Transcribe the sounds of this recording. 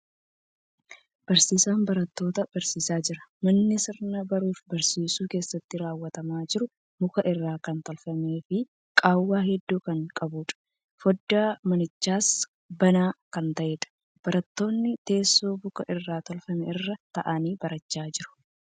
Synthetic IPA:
b̥ɐɾsiːsaːnbɐɾɐt̪ːo̞ːt̪ɐb̥ɐɾsiːsaːd͡ʒɪɾɐ̥mɐnːɪsɪɾnɐbɐɾuːfbɐɾsiːsuːke̞ːsːɐt̪ːɪɾaːwːɐt̪ɐmaːd͡ʒɪɾʊ | bʊkɐʔɪrːaːkɐnt̪ɔlfɐmeːfɪ | kʼaːwːaːhɛd̪ːuːkɐŋkʼɐbuːᶑɐ̥ | fɔd̪ːaːmɐnɪt͡ʃːaːs | bɐnaːkɐnt̪ɐʔeːᶑ̪ɐ̥ | b̥ɐɾɐt̪ːo̞ːnːɪt̪e̞ːsːoːbʊkɐʔɪrːaːt̪ɔlfɐmɛɪrːɐt̪ɐʔaniːbɐɾɐt͡ʃːaːd͡ʒɪɾʊ̥

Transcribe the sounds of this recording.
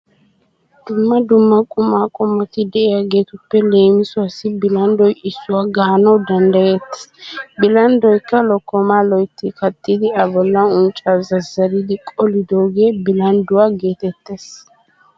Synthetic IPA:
d̪̥ʊmːɐd̪ʊmːɐkʼʊmaːkʼʊmːɐt̪ɪd̪ɛʔɛjaɡeːt̪ʊpːɛle̞ːmɪsʊwasːɪbɪlɐnd̪ɔjɪsːʊwaːɡaːnɐwd̪ɐnd̪ɐjɛt̪ːe̥sbɪlɐnd̪ɔjkːɐlɔkːɔmaːlɔjt̪ːɪkɐt̪ːɪd̪ɪɐbɔlːɐʊnt͡ʃʼːazɐzɐɾɪd̪ɪkʼɔlɪd̪oːɡe̞ːbɪlɐnd̪ʊwaːɡe̞ːt̪ɛt̪ːeːs

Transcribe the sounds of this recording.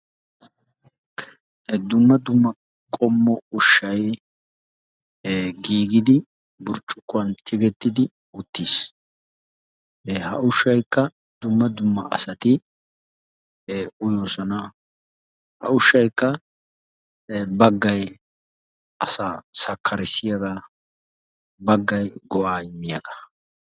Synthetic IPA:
d̪ʊmːɐd̪ʊmːɐ | kʼɔmːɔʊʃːɐj | ɡiːɡɪd̪ɪ | bʊɾt͡ʃʼːʊkːʊɐnt̪ʰɪɡɛt̪ːɪd̪ɪ | ʊt̪ːiːs | hɐ̰ʔʊʃːɐjkːɐ | d̪ʊmːɐd̪ʊmːɐʔɐ̰sɐt̪ɪ | ʊjoːsɔnɐ | hɐ̰ʊʃːɐjkːɐ | bɐɡːɐj | ɐsaːsɐkʰːɐɾɪsɪjɐd̪a | bɐɡːɐjɡɔʔaːɪmːɪjɐɡ̪ɐ̥

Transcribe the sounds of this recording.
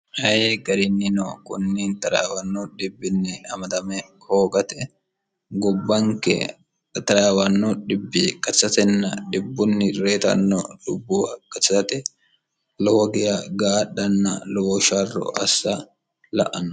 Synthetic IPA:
hɐjeɡɐɾɪnːɪnɔkʊnːiːnt̪ɐɾa̰ːwɐnːɔɗɪbːɪnːɪɐmɐt̪ɐmɛhoːɡɐt̪ɛ | ɡʊbːɐŋkɛ̰ | t̪ɐɾaːwɐnːɔᶑɪbːɪkʼɐt͡sːɐt̪ɛnːɐɗɪbːʊnːɪɾeːt̪ɐ̰nːɔɗʊbːʊwɐkʼɐt͡ʃːɐtɐt̪ɛ | lɔwɔɡɪjɐɡaːɗːɐnːɐ̰lɔwɔʃɐrːɔ̰ʔɐsːɐ | lɐ̰ʔɐnːɔ

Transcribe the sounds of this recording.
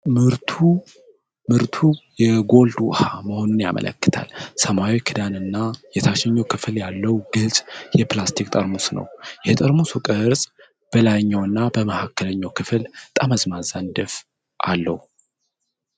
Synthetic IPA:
mɨɾt̪ʰu | mɨɾt̪ʰujɛɡo̞ld̪uwhaməho̞nunja̰mə̰lə̰kːɨ̥t̪ʰa̰lsəmawikʰɨd̪anɨnːajɛt̪ʰaʃɛɲːowkʰɨfljalːəwɡɨlsʼjɛplast̪ʰikʼt̪ʼəɾmusnə̰wjɛt̪ʼəɾmusukʼəɾsʼ | b̥əlajɲːawɨnːabəməhakːələɲːawkʰɨfɨlt̪ʼaməzmazand̪əf | ʔa̰lːəhu

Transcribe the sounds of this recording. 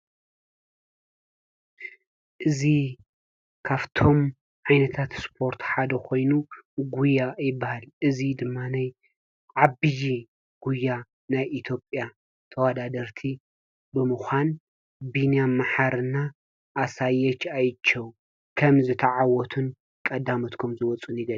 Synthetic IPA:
ʔɨzi | kʰaβt̪ʰo̞m | ʕajnɐt̪ʰat̪spʰo̞ɾt̪ħad̪ɐkʰo̞jnuɡujːajɪbːahalʔɨzid̪ɨmːanaj | ʕabɨji | ɡ̥ujːa | najʔit̪ʰjo̞pʼja | t̪ʰɐwad̪ad̪ɐɾt̪ʰi | bɨmuxʷan | binjamaħaɾɨnːa | ʔːsajːɛt͡ʃːajt͡ʃʰːɐw | kʰɐmzɨt̪ʰɐʕawɔt̪ʰun | kʼɐd̪amɐt̪kʰomzɨwɔt͡sʼunjɪɡɐl

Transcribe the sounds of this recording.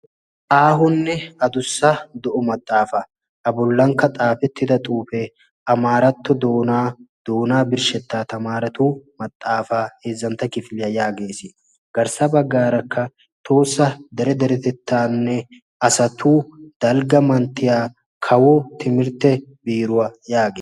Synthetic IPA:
ʔaːɦʊnːɛɐd̪ʊsːɐd̪ɔʔʊmɐt̪ʼːaːfɐ | ɐbʊlːɐŋkːɐt̪ʼaːfɛt̪ːɪd̪ɐt̪ʼuːfɛ | ʔɐmaːɾɐt̪ːɔd̪oːnaːd̪̥oːnaːbɪɾʃɛt̪ːaːt̪ɐmaːɾɐt̪uːmɐt̪ʼːaːfaːhe̞ːzːɐnt̪ːɐkɪfɪlɪjɐjaːɡe̞ːsɪ | ɡ̥ɐɾsɐbɐɡːaːɾɐkʰːɐ | t̪ʰo̞ːsːɐd̪ɛɾɛd̪ɛɾɛt̪ɛt̪ʰːaːnːɛ | ɐsɐt̪ʰuːd̪̥ɐlɡɐmɐnt̪ːɪjaː | kʰɐwɔt̪ɪmɪɾt̪ːɛbiːɾʊwɐjaːɡeː

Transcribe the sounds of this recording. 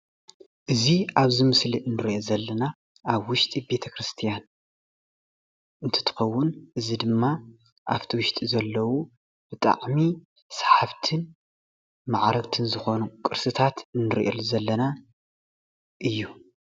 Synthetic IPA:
ʔɨziaβzɨmɨsliʔɨnːɨɾʔozɐlːɐna | ʔaβwʊʃt̪ʼibe̞t̪ʰɐkɾɨst̪ʰijan | ʔɨnt̪ʰɐ̥t̪ʰɨ̥xɐwːʊnʔɨzid̪ɨmːa | ʔa̰ft̪ʰiwʊʃt̪ʼizɐlːɐwu | b̥ɨt̪ʼa̰ʕmi | sḁħaβt̪ʰɨn | maʕɾɐɡt̪ʰɨnzɨxo̞nukʼɨɾsɨt̪ʰat̪ɨnːɨɾʔḛlzɐlːɐna | ʔɨjːu

